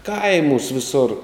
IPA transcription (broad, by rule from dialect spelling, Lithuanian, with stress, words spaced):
ˈkɐɪmuːsʲ ʋʲɪˈsoːr